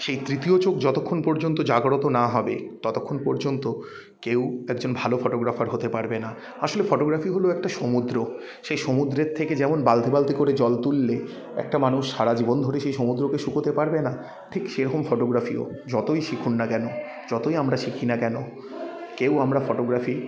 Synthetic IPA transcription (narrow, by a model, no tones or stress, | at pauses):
ʃejt̪ɾit̪iot͡ɕokd͡ʑɔt̪okʰːonpɔɾd͡ʑont̪od͡ʑaɡɾot̪onaɦɔbet̪ɔt̪okʰːonpɔɾd͡ʑont̪o | kewɛkd͡ʑonbʱalofɔʈoɡɾafaɾɦot̪epaɾbena | aʃolefɔʈoɡɾafiɦoloɛk̚ʈaʃomud̪ɾo | ʃejʃomud̪ɾeɾt̪ʰeked͡ʑɛmonbald̪ʱibalt̪ikoɾed͡ʑɔlt̪ulːe | ɛ̰k̚ʈamanuʃːaɾad͡ʑibond̪ʱoɾeʃejʃomud̪ɾokeʃukot̪epaɾbena | ʈʰikʃeɾɔkomfɔʈoɡɾafio̰d͡ʑɔt̪ojʃikʰunːakɛno | d͡ʑɔt̪ojamɾaʃikʰinakɛno | kewamɾafɔʈoɡɾafi